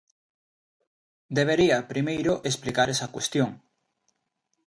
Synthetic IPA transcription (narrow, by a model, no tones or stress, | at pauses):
d̪eβ̞eɾiɐpɾimejɾoʔesplikaɾɛsɐkwest̪joŋ